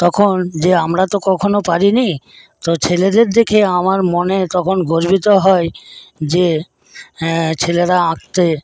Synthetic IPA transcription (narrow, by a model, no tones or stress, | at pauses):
t̪ɔkʰond͡ʑeamɾat̪okɔkʰonopaɾini | t̪ot͡ɕʰeled̪eɾd̪ekʰeamaɾmonet̪ɔkʰonɡoɾbit̪oɦɔed͡ʑe | t͡ɕʰeleɾaakt̪e